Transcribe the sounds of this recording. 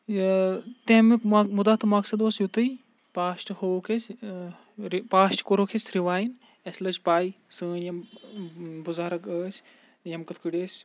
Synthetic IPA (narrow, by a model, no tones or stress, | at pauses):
t̪ẽɦmemud̪aːt̪ʰɨmɐksɐd̪oːsjut̪ɨi | paːsʈhoːkʰes | paːʃʈkoɾoːkʰesʰɾiʋaːjin | ɐslɐt͡ʃpaːi | sɨ̃ːnjɐm | buzaːɾɐkəːsʲ | jɐmkɐt̪ʰkɨɽʲeːsʲ